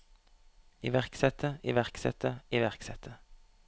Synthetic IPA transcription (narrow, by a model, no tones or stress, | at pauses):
iːʋæʁksɛt̪ʰəʔiʋæʁksɛ̰t̪ʰəiʋæʁksɛt̪ʰə